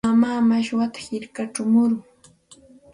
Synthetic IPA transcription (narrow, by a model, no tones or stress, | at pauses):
amaːmaʃwat̪ḁhɪɾkaʈ͡ʂʊmʊɾʊŋ